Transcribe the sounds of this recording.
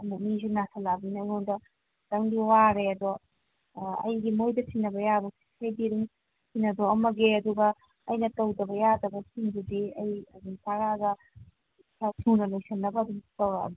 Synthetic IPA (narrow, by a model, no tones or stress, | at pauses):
mɐnizinatʰɐlabinɐjoŋdɐ | tɐŋdiwaɾeɐdɔ | ɐ̰jɡimojdɐtʰinːɐbɐjabɐsi̥sʰɐjdiɾiŋ | sʰinːɐdoɐmɐɡeɐduɡɐː | jnɐtɐwdɐbɐjadɐbɐsiŋdudiɐjɐduŋtaɾaɡɐ | sʰatʰunɐlɐjsɐnːɐbɐːduŋtɐw̰